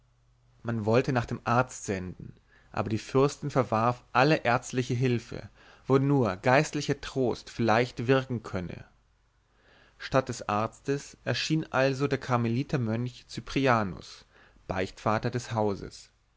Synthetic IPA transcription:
manvɔltənaːχd̥eːmʔaɐt͡stz̥ɛndn̩ | ʔa̰ːbɐdiːfʏɐstn̩fɛɐvaʁfʔaləʔɛɐt͡stlɪçəɦɪlfə̰ | vonuːɐɡaɪstlɪçɐtʁ̥oːstfɪɐlaɪçtv̥ɪɐkŋ̩kʰœnə̰ | ʃtat̚d̥ɛsʔaɐt͡stəsʔɛɐʃiːnʔalzodeːɐkʰaɐmeliːtʰɐmœnçt͡sypʁ̥iaːnʊ̰s | b̥aɪçtfaːtɐdɛshaʊzə̰s

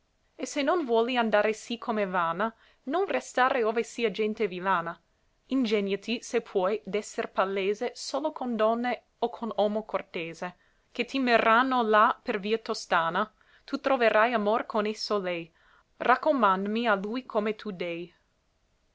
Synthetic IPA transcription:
esenːonvwɔːliand̪aːɾesikʰomevaːna | nonrest̪aːɾeoːvesiːad͡ʒɛnt̪evilaːna | ind͡ʒɛnjat̪isepʰwɔjd̪ɛsːerpalːeːzesoːlokond̪ɔnːe | okʰonɔːmokort̪eːze | ket̪imeranːolaperviːat̪ost̪aːna | t̪ʰut̪ɾoveɾʔajamorkonesːolɛj | rʔakːomand̪mialujkʰomet̪ʰud̪ɛj

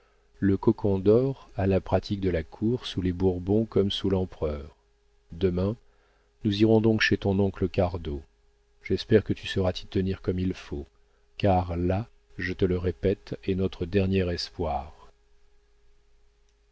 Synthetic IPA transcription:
ləkɔkʰɔ̃d̪ɔʁalapχat̪ʰik̚d̪əlakʰuʁsulebuʁbɔ̃kɔmsulɑ̃pχœːʁ | d̪əmɛ̃ | nuziʁɔ̃d̪ɔ̃kʃet̪ɔ̃nɔ̃kləkaʁd̪o | ʒ̥ɛspɛʁkət̪ysəʁat̪ʰi̥t̪əniʁkɔmilfo | kaʁla | ʒət̪ələʁepɛt̪ɛnɔt̪χəd̪ɛʁnjɛʁɛspwaːʁ

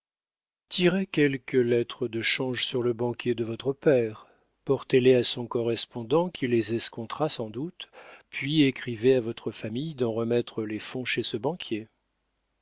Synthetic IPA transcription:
t̪ʰiʁekʲɛlkəlɛt̪χəd̪əʃɑ̃ʒsyʁləbɑ̃kʲjed̪əvɔt̪χəpɛːʁ | pɔʁt̪eleasɔ̃kɔʁɛspɔ̃d̪ɑ̃kʲilezɛskɔ̃t̪χasɑ̃d̪ut̪pɥiekχiveavɔt̪χəfamijd̪ɑ̃ʁəmɛt̪χəlefɔ̃ʃesəbɑ̃kʲʰje

